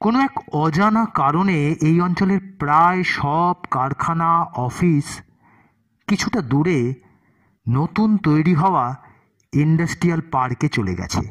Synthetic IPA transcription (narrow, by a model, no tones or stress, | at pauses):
konoɛkɔd͡ʑanakaɾoneejɔnt͡ɕoleɾpɾaeʃɔbkaɾkʰanaɔfis | kit͡ɕʰuʈad̪uɾe | not̪unt̪ojɾiɦɔoa | iɳɖasʈɾialpaɾket͡ɕolḛɡɛ̰t͡ɕʰḛ